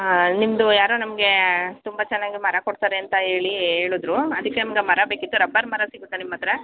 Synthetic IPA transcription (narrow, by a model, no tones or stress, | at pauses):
nimd̪ujaːɾoːnɐmɐɡe̞t̪umbɐt͡ʃɛnːaːɡimɐɾɐkoɽt̪aɾeɐnt̪ɐɦe̞ːɭie̞ːɭud̪ɾuɐd̪ɐkːe̞nɐmɐɡe̞mɐɾɐbeːkit̪ːuɾɐbːɐːɾmɐɾɐsiɡut̪ːenimːɐt̪ːɐɾɐ